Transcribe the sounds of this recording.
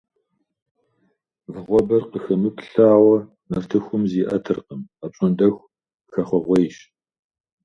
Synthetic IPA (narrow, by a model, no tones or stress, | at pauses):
vɨʁʷɔbɐrqəxɐmɨpɬaːʁɐ | mɐrtʰɨxʷʊmziːʔɐtʰɨrqəmaːpɕʼɐndʼɐxʷ | xɐχʷɔʁʷɔjʃ